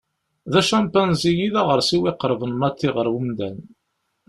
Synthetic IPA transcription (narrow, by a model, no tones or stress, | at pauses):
ðæʃæmpænzijiðaʁəɾsiwɪqəɾˤvənːɑt̪ːiʁəɾˤwumd̪æn